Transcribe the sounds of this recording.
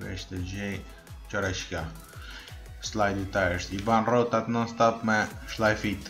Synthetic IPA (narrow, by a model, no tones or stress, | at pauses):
vɛ̰ʃt̪ɛd͡ʒɛj | t͡ʃɔɾaʃka | slˠajd̪it̪aɾt̪ibanrɔt̪at̪nɔnst̪apmɛʃlˠajfit̪